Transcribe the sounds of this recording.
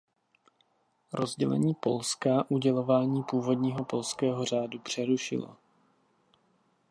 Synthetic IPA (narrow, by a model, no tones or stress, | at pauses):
ɾo̞zɟɛ̰lɛ̰ɲiːpo̞lskaʔuɟɛlo̞vaːɲiːpuːvo̞dɲiːɦo̞po̞lskɛːɦo̞r̝aːdupr̝̥ɛɾuʃɪ̰lo̰